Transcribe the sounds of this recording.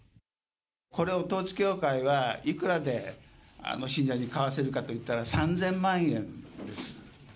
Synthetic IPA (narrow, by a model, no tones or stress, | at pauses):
ko̞ɾe̞ot̪o̞ːt͡sɨ̥kʲo̞ːkaiβaikɯ̟ɾad̪e̞a̰noɕĩɲ̟d͡ʑaɲ̟ikaβase̞ɾɯ̟kat̪o̞it̪ːaɾasãnd͡zẽ̞mmãɰ̃ẽ̞nd̪e̞sɨ̥